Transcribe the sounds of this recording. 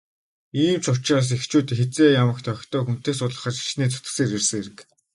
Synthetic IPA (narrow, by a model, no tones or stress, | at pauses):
iːmt͡ɕʰʊt͡ɕaːs̬ext͡ɕuːt̪xet͡seːjamə̆kt̪ʰœkʲt̪ɔːxun̥t̪eːsʊt̪ɮə̆χə̆t͡ɕi̥ʃneːt͡sʰʊt̪ə̆seːɾersə̆ŋeɾɘ̆k